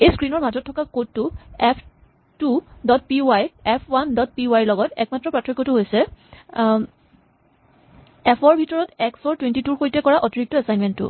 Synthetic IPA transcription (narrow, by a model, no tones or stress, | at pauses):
ejskɹinɔɹmadʱɔtʰːɔkakottːuɛpʰ | tudɔt̚piajɛpʰwandɔt̚piuajɹlɔɡɔtɛ̰k̚matːɹɔpɹatʰɔɹikːɔtʊɦojsɛ | ɛpʰɔɹbʱitɔɹɔtɛksɔɹtwentituɹxojtɛkɔɹaʔɔtiɹik̚tɔɛsajnmɛntːʊ̰